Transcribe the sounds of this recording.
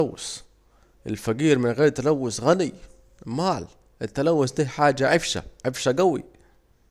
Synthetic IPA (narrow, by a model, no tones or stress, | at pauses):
awːɪ̰s | ʔɪ̰lfaɡiːɾmɪnɣeːɾt̪alawːɪsɣanij | maːl | ʔɪt̪ːalawːʊst̪iːhħaːd͡ʒaʕɪfʃa̰ʕɪfʃaɡawḭ